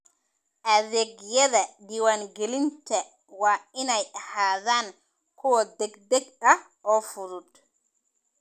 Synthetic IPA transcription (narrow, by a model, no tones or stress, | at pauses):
ʔaðeɡjɛdadiwanɡelintɛ | wainajhaðan | kʰɔwɔd̪ɛɡdɛɡɗa | ɔfuɾud